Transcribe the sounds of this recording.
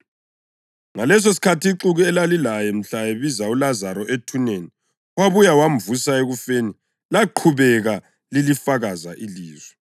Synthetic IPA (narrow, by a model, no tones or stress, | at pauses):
ŋalɛs̬os̬i̥kʰatʰiiǁuɣuɛlalilajɛm̩ɬaeβizaulazaɾɔʔetʰuneni | waβujawamvusaeɣufeni | laǃʰuβɛɣa | lilifaɣazaʔiliːzwɛ